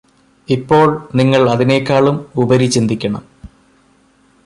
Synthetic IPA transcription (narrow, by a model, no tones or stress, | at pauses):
ipːo̞ːɭniŋːɐɭɐðine̞ːkʲːaːɭumubɐɾit͡ɕind̪ikʲːɐɳɐ̰m